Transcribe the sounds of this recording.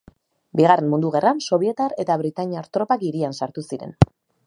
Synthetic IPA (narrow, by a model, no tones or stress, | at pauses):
biɣare̞mund̪uɣ̞e̞ranso̞βje̞t̪aɾe̞t̪aβɾit̪aɲiaɾt̪ɾopakiɾiansaɾt̪usiɾe̞̰n